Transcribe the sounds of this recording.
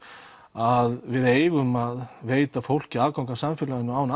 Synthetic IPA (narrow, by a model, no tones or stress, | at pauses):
aðvɪðeːjɣʏmaðveːjt̪afowl̥cɪaːðkawŋkasamfɪlaɣɪnːʏaːwn